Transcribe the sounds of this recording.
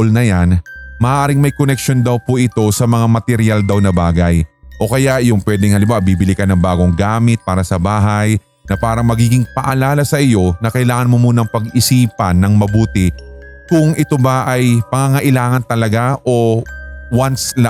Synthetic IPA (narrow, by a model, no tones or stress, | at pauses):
lnɐjanmɐʔːʔaːɾɪŋmɐjkonɛk̚ʃo̞nd̪ɐwpʊʔɪt̪o̞sɐmɐŋamɐt̪ɛɾjald̪ɐwnɐbaːɡɐjʔo̞kɐjajʊŋpwɛːd̪ɛŋhɐlɪmbabibɪlɪkɐnɐŋbaːɡo̞ŋɡaːmɪt̪̚paːɾɐsɐbaːɦaj | nɐpaːɾɐŋmɐɡiːɡɪŋpɐʔɐlaːlɐsɐʔɪjo̞nɐkɐjlaːŋɐnmo̞muːnɐŋpɐɡɪsiːpɐnːɐŋmɐbuːt̪ɪkʊŋʔɪt̪o̞bɐʔajpɐŋaŋɐʔɪlaːŋɐnt̪ɐlɐɡaʔo̞ | wansla